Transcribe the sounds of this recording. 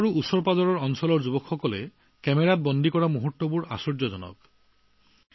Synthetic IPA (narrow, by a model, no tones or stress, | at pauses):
ɹuʔusɔɹpazɔɹɔɹɔnsɔlɔɹd͡ʒubɔkxɔkɔlḛ | kɛmeɾat̚bɔnd̪ikɔɹamuɦot̪ːwopuɹa̰sɔɹd͡ʑɔd͡ʑɔnɔ̰k